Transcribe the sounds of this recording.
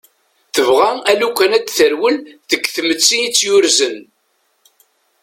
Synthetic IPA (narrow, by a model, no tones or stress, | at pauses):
θəvʁæælukʷːænæd̪θəɾwəlðəɡθmət͡sːiit͡sːjʊɾzən